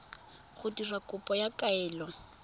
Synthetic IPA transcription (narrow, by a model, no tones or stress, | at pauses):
ɣʊdirakʼʊpʼɔjakʼaɛːlɔ